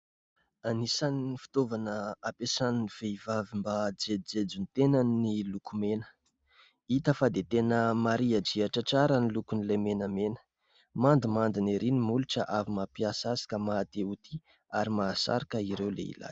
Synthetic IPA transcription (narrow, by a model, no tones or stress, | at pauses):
anisanifi̥t̪ovanəapesaniniv̥eivavimbad͡zed͡zed͡zunt̪enənilukumenə̥ | it̪əfad̪et̪enəmaɾiad͡ʒiaʈ͡ʂaʈ͡ʂaɾanilukunilemenamenə̥ | mand̪imand̪ineɾinimuluʈ͡ʂəʔavimapiasasi̥kəmaːt̪eut̪i | aɾimaːsa̰ɾakəiɾewlḛḭla̰j